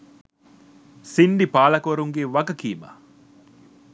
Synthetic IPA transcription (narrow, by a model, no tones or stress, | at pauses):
sinɖipaːlɐkoɾuŋɡeʋɐɡɐkiːma̰ː